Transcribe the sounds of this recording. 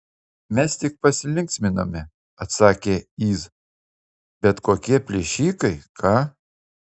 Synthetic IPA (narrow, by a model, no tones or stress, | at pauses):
mʲɛst̪ʲɪk̚pɐsʲɪlʲɪŋʲksʲmʲɪno̰ːmʲɪ | ɐt̪sɑːkʲeːiːs | bʲɛt̪koːkʲiɛpʲlʲeʃʲiːkɐɪkʰɑː